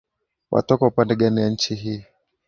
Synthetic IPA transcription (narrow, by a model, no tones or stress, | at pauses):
wʔa̰tɔkaupandɛɠaniwaɲ̩t͡ʃiɦiː